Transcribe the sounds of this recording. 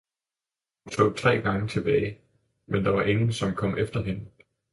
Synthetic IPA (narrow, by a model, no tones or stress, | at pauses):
hunt͡sʰo̰ːt͡sʰʁɛ̰ːɡ̥ɑ̈ŋət͡sʰe̝b̥ɛːɪ | mend̥ɑ̈ʋɑ̈ʔe̝ŋn̩sɒ̽mkʰɒ̽m̰ʔefd̥ɐɦe̝nə